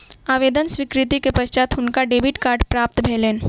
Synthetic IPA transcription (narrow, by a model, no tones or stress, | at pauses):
aːʋeːd̪ənsʋikɾɪt̪ikepəʃt͡ʃaːt̪ʊnkaɖeːbiʈkaːɾɖpɾaːp̚t̪bʱeːleːn